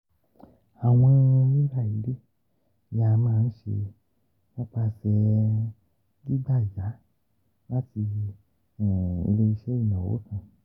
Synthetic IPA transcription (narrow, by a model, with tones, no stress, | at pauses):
a˨w̃ɔ̃˧ĩ˧nõ˧jĩ˦ɾa˦˨i˨˦ɾe˦ | ja˧mãː˦˧n̩˦ʃe˧ | mɔ̃˦k͡pa˧sɛ˧ | ɡi˦ɡ͡ba˦˨d͡ʒa˨˦ | la˦ti˧˨ | ḭ˧le˦i˧ʃe˦i˦˨nã˨wo̰˨˦tã˧˨